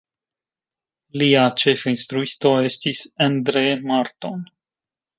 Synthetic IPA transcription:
liat͡ʃefinst̪ɾuist̪o̞e̞stisand̪ɾemaɾt̪on

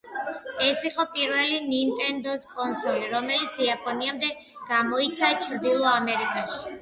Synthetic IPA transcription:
ɛsiqʼɔpʼiɾvɛlinint̪ʼɛnd̪ɔskʼɔnsɔliɾɔmɛlit̪sʰiapʼɔniamd̪ɛ | ɡ̥amɔit̪sʰat͡ʃʰɾd̪ilˠɔamɛɾikʼaʃi̥

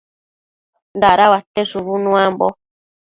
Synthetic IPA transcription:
nd̪aɾawat̪eʂuβunũambo

